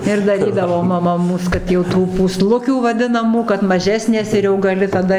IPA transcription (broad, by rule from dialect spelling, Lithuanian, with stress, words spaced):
ɪr dɐˈrʲiːdɐʋoː mɐˈmɐ ˈmuːs kɐt jɛʊ ˈtuː puːˈslˠʊkʲuː ʋɐˈdʲɪnɐmuː kɐt mɐˈʒʲæːsʲnʲeːs ɪr jɛʊ ɡɐˈlʲɪ tɐˈdɐ